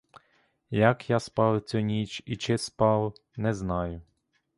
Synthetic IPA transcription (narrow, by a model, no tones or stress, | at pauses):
jɐkjaspɑwt͡sʲɔnʲit͡ʃit͡ʃɪspɑwnɛznɑjʊ